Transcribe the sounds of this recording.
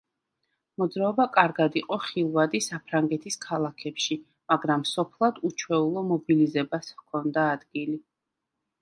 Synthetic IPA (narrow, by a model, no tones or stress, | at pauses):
mɔd̪zɾaɔbakʼaɾɡad̪iqʼɔχilˠvad̪isapʰɾaŋɡɛt̪ʰiskʰalˠakʰɛpʃi | maɡɾamːsɔpʰlˠad̪ut͡ʃʰwɛulˠɔmɔbilizɛbaskʰɔnd̪aːd̪ɡili